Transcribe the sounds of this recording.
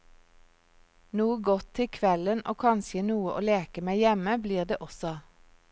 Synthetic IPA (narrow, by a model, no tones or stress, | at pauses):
nuːəɡɔt̪ʰɪkʰʋɛləno̰ːkʰɑnseːnuːəʔo̰ːleːkəmæɪjɛməbliːʁd̪eːʔɔsɔ